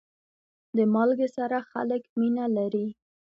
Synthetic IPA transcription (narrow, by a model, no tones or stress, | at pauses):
d̪əmɑlɡesaɾaxa̰ləkminalaɾi